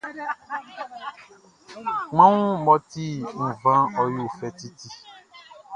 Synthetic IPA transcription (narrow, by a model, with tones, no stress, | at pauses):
ŋ͡mã˦ŋũ˦mɔ̃˦t̪i˦m̩̃˨vã˦ɔ˦ju˦˨fɛ˦t̪i˦ti˦